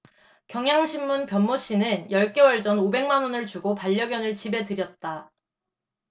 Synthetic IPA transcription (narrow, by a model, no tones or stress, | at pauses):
kjʌŋjaŋɕʰimːunpjʌnmoɕ͈inɯnjʌɭk͈e̞wʌɭd͡ʑʌnobe̞ŋmanonɯɭt͡ɕuɡopaʎːʌɡjʌnɯɭt͡ɕibe̞tɯɾjʌt̚t͈a